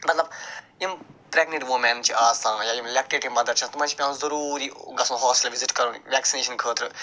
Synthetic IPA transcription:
mɐt̪lɐbjimpɾɛɡniʈʋomɛ̃nt͡ʃʰiaːsãːjaːjimlɛːk̚ʈeʈimbɐd̪ɐɾt͡ʃʰãːt̪umãːt͡ʃʰi̥pʲjãːzɐɾuːɾiːɡɐsũɦɔːsʈlʋizɪʈkɐɾunʋɛːksineːʃənkʰəːt̪ʰɾɨ

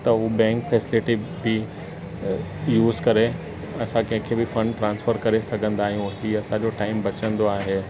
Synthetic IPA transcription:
t̪ɐubɛ̃ːŋkfɛːsɪlɪʈibɪ | juːzkɐɾe | ɐsãkɐ̃ɦɪ̃kʰeːbɪfɐ̃ɳɖʈɾãːnsfəɾkɐɾesɐɡʱə̃nd̪aːɦijũɦiːɐsãd͡ʑoʈaːɪmbɐt͡ɕə̃nd̪oaːɦeː

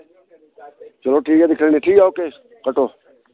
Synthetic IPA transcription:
t͡ʃəloːʈʰiːkaːd̪ɪkʰə̃neːʈʰiːkaːoːkeː | kəʈoː

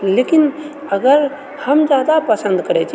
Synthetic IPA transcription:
leːkin | ɐɡəɾ | hɐmd͡ʒjaːd̪apəsə̃nd̪kɐɾet͡ʃʰi

